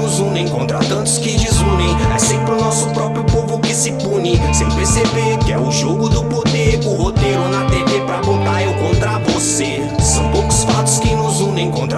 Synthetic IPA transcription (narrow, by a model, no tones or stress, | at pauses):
ʊzũnẽj̃kõnt̪ɾɐt̪ɐ̃nt̪ʊ̥skɪd͡ʒizũnẽj̃ɛ̰sẽpɾɪʊnɔsʊpɾɔpɾjʊpovʊkɪsɪpũnɪsẽj̃peɾsebekɪɛʊʒoɡʊd̪ʊpod̪eɾʊhot̪eɾʊnɐt̪evepɾɐkot̪aɾewkõnt̪ɾɐvose | sɐ̃w̃powkʊ̥sfat̪ʊskɪnʊzũnẽj̃kõnt̪ɾ